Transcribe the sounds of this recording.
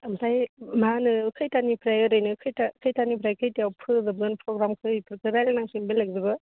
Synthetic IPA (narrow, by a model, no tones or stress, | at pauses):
ɐmsajmanɯkʰɯjtanipʰɾajɯɾɯjnɯkʰɯjtakʰɯjtanipʰɾajkʰɯjtijawpʰɯzɐbzɯnpʰɾoɡɾamkʰɯjpʰɯɾkʰɯɾajlnaŋsinbelak̚zɯbɯ